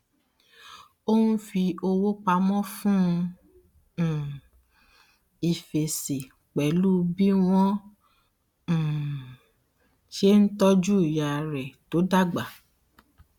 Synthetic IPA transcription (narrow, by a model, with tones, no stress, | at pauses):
o˦wũ˦fi˧o˧wo˦k͡pa˧mɔ̃˦fũ˦˧˨ | i˨fe˨se˨ | k͡pɛ˨lu˦bi˦w̃ɔ̃˦˨ | ʃe˦n̩˦tɔ˦d͡ʒu˦i˨ja˨ɾɛ˨to˨˦da˦ɡ͡ba˨